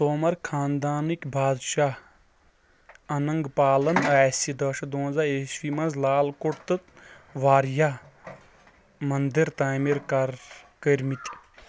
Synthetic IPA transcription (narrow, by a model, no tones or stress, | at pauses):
soːmɐɾkʰaːnd̪aːnikʲbʱaːd̪ʃaː | ɐnɐŋɡpaːlɐnɛːsid̪ɐʃɐd̪õːzaeʃʋimɐnzlaːlkoʈt̪ɨt̪ | ʋaːɾjaː | mɐnd̪iɾt̪aːmiɾkaɾkəɾmit̪ʲ